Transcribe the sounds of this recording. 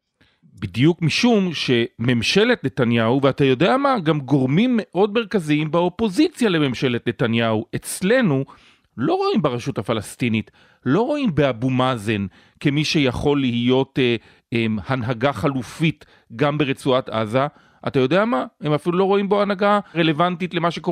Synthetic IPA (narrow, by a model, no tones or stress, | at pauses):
bidjukmiʃumʃe̞me̞mʃe̞letne̞tanjahuveatajo̞de̞amaɡamɡo̞ʁmimːe̞ʔo̞d̚me̞ʁkaziimbeo̞po̞zit͡sjale̞me̞mʃe̞letle̞tanjahuʔe̞t͡sle̞nu | lo̞ʁo̞imbeʁaʃuthafalastinit | lo̞ʁo̞imbeabumazen | kemiʃe̞jaχo̞lːihijo̞te | emhanɦaɡaχalufit | ɡambe̞ʁet͡suatʔa̰za | ʔatajo̞deamahe̞mafilulo̞ʁo̞imbo̞anaɡaʁele̞vantitlemaʃeko